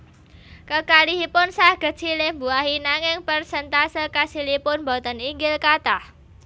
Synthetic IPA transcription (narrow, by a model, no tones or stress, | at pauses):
kəkaliɦipʊnsahɡ̥ə̤̥t͡ʃilɪmbuaɦinaŋɪŋpərsənt̪asəkasilipʊnmbɔt̪əniŋɡɪlkat̪ah